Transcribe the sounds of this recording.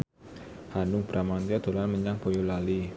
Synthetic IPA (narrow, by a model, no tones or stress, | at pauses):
hanʊŋb̥ɾamant̪iɔd̪o̤lanməɲaŋpojulali